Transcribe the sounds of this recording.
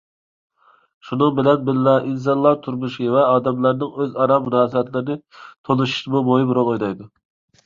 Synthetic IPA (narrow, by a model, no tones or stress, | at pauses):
ʃunɨŋbɪlɛnbɪllɛʔins̬ɑnlˠɑɾt̪ʰuɾmuʃivɛɑːd̪ɛmlˠɑɾnɨŋøzɑɾɑmːunɑːsɨbɛt̪lɪɾɪnɪt̪ʰolˠuʃu̥ʃmubojibɾolˠojd̪ɑjd̪u